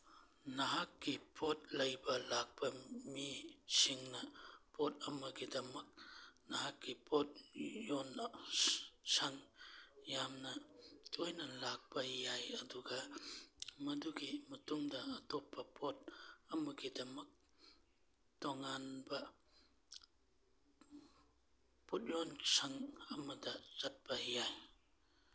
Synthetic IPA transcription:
nɐɦak̚ːipʰot̚lɐjbɐlak̚bɐmisiŋnɐpʰot̚ɐmɐɡidɐmɐk̚nɐɦak̚ːipʰot̚jon | saŋjamnɐtʰojnɐlak̚pɐjajɐduɡɐ | mɐduɡimɐtuŋdɐːtɔpːɐpɔt̚ɐmuɡidɐmɐk̚ | tɔŋanba | pɔt̚jɔnsaŋɐmadɐzɐt̚paijaj

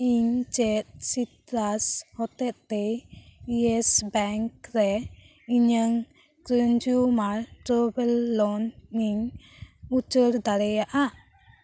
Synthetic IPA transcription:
iɲt͡ʃɛt̪̚sit̪ɾashɔt̪ɛt̪̚t̪ɛiɛsbɛŋkɾɛ | iɲəŋ | kɾəɲd͡ʒumaɾʈɾɔbɛlːɔnːiŋ | ut͡ʃəɾd̪aɾɛjaʔa

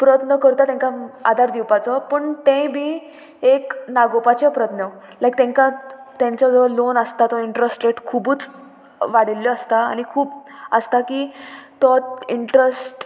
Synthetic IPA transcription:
pɾət̪nəkəɾt̪at̪ãŋkaa̰d̪ʱaɾd̪iwpat͡sɔpəɳt̪ẽbiː | eknaɡopat͡ɕepɾət̪nə | lajk̚t̪ɛ̃ŋkãt̪ãɲt͡sɔd͡zəlonəst̪at̪ɔiɳʈɾəsʈɾeʈkʰubuːt͡s | ʋaɽiljɔəst̪aa̰ñikʰuːbəst̪akiːt̪ɔiɳʈɾesʈ

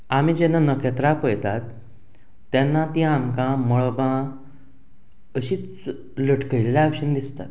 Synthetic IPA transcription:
amid͡ʑenːanəkʰet̪ɾapəjt̪at̪ː | janːat̪ĩamkãməɭɔbã | əɕiːt͡s | ləʈʰkəjllaakɕənd̪ist̪at̪̚

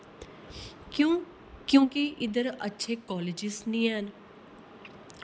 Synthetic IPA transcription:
kõː | kjõːkiʔɪd̪əɾə̰tːʃʰeːkɔːleːd͡ʒɪsnĩːɛn

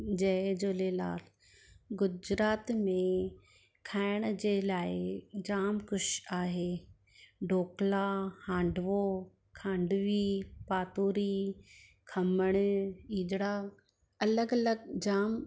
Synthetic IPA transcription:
d͡ʑɐɦɪd͡ʑoːleːla̰ːl | ɡʊd͡ʑɾaːt̪mẽ | kʰaːɪɽ̃d͡ʑeːlaːɪd͡ʑaːmkʊʃaːɦeː | ɖoːklahãːɳɖʱʋo | kʰãːɳɖʋipaːt̪uːɾi | kʰɐməɽ̃iːd͡ʑɽa | ɐləɡɐləɡd͡ʑaːm

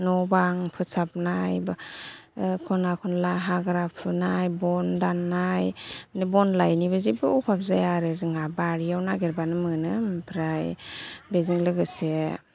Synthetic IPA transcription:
nɔbaŋpʰɯsap̚najb | kʰɔnakʰɔnlaɦaɡɾapʰɯnajbɔndanːajnɯbɔnlajnibɯzibɯpʰapzajaɾɯzɯŋabaɾijawnaɡeɾbanɯmɯnɯmpʰɾajbeziŋlɯɡɯse

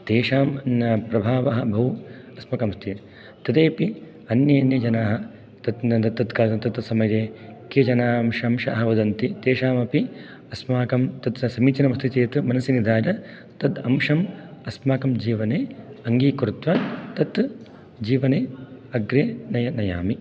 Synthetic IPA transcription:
t̪eːʂaːmpɾɐbʱaːʋɐɦɐbʱɐʋu | ɐsmɐkɐmst̪ʰi | t̪ɐd̪eːpi | ɐnjɐɐnjɐd͡ʒɐnaːɦɐ | t̪ɐt̪t̪ɐt̪ːɐt̪kaːt̪ɐt̪ɐt̪sɐmɐjeːkjɐd͡ʒɐnaːmʃɐmʃɐɐɦɐʋɐd̪ɐnt̪it̪eːʃaːmɐpi | ɐsmaːkɐmt̪ɐt̪sɐmiːt͡ʃɐnɐmɐst̪it͡ʃeːt̪umɐnɐsinid̪ʱaːd͡ʒɐ | t̪ɐd̪ɐmʂɐmɐsmaːkɐmd͡ʒiːʋɐneːɐŋɡiːkɾut̪ʋɐt̪ɐt̪ | d͡ʒiːʋɐneːɐɡɾeːnɐjɐnɐjaːmi

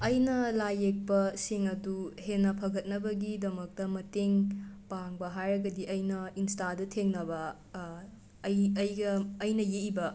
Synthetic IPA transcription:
ɐjnɐlajek̚pɐsiŋɐduhenːɐpʰɐɡɐt̚nɐbɐɡidɐmɐk̚tɐmɐteŋpaŋbɐɦajɾɐɡɐdiʔɐjnɐinstadɐtʰeŋnɐbɐ | jɐjɡɐːjnɐjeibɐ

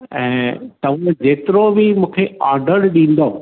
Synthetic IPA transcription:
ɛ̃ːt̪ɐʋ̤ãd͡ʑeːt̪ɪɾobɪmũːkʰeaːɾɖəɽɗĩːn̆d̪o

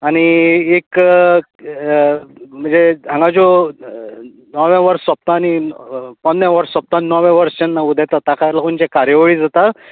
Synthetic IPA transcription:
aɽ̃iek | m̤əɳd͡zed͡zʱãŋɡad͡zo | nɔʋɛ̃ʋəɾsːəp̚t̪aːñipənd̪jẽʋəɾsːəp̚t̪ãnnɔʋɛ̃ʋəɾst͡ɕenːaud̪ʱajt̪ət̪akalakunt͡ɕekaɾjəʋɭiːd͡zat̪a

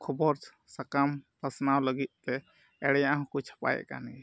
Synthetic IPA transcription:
kʰɔbɔɾ | sakampasnawləɡit̪̚t̪ɛ | ɛɽɛjaʔaɦɔ̃kut͡ʃʰḁpa̰jɛ̰ʔka̰ni

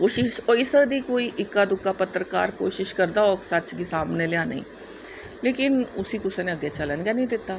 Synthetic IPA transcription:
koːʃɪʃoːisəd̪iːkoːiʔɪkːad̪ʊkːapət̪ːɾəka̰ːɾko̰ːʃɪʃkəɾd̪aɔːksət͡ʃɡisaːmneleãːnə̰ḭ̃ː | leːkɪnʊsikʊsenẽəɡet͡ʃələnɡanĩd̪ɪt̪ːaː

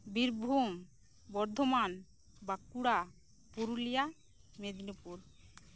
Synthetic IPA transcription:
biɾbʱum | bɔɾd̪ʱoman | bakuɽa | puɾulija | med̪inupuɾ

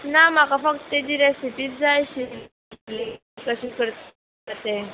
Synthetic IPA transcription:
nam̤akafək̚t̪t̪ed̪iɾesipit̪̚d͡zajɕi | le | kasikəɾt̪ | t̪e

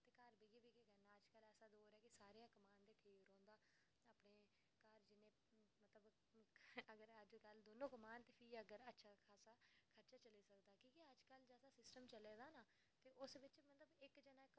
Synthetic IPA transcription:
t̪eːkəɾbeːɡebeːkeɡənːaːəd͡ʒkəlɛːsaːd̪oːɾɛːkisaːɾejãːkəmaːnd̪eːʈʰiːkɾõːnd̪aː | aːpneː | kəɾd͡ʒɪnẽː | mət̪ləb | əɡəɾəd͡ʒkəld̪oːnõːkəmaːnt̪eːpʰiːəɡəɾətːʃʰaːkʰaːsaːkʰəɾt͡ʃaːt͡ʃəleːsəkd̪aːkĩːkiəd͡ʒkəld͡ʒɛːsãːsɪsʈəmt͡ʃəleːd̪aːnaː | t̪eːʔʊsʋɪt͡ʃmət̪ləbɪkd͡ʒənaːɪk

